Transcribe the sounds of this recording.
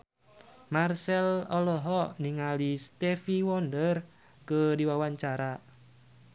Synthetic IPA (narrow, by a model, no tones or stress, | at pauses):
marsɛlɔlɔɦɔniŋalist̪ɛfiwɔndər | kədiwawaɲt͡ʃaɾa